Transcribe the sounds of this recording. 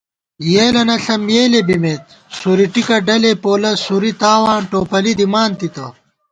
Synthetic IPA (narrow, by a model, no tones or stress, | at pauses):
jeːlɐnɐɬɐmjeːlebimeːt̪̚ | suɾiʈikɐɖɐlepoːlɐsuɾit̪aːwaːnʈoːpɐlid̪imaːnt̪it̪ɐ